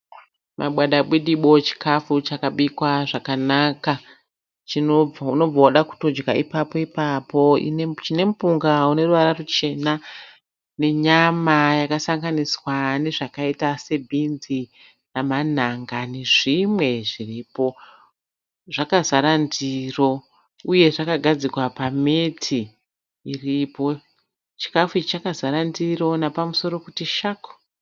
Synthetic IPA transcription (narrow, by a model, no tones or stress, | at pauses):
mʔa̰ɓwaɗaɓwiɗiɓo̞t͡ʃi̥kʰafut͡ʃakaɓikwaʐakanaka | t͡ʃino̞b͡vauno̞b͡vawaɗaku̥to̞d͡ʒɡaipapo̞ipapo̞ḭnet͡ʃine̞mupuŋɡaune̞ruʋaɾarut͡ʃe̞na | ne̞ɲamajakasaŋɡaniswane̞ʐakaitase̞bʱinzi | naman̤aŋɡane̞ʐimwe̞ʐiriːpo̞ | ʐakazaɾandiro̞ | uje̞ʐakaɡʱad͡zikwapame̞tʰiː | ripo̞ | t͡ʃi̥kafut͡ʃt͡ʃakazaɾandiro̞napamuso̞ɾo̞kutiʃaku̥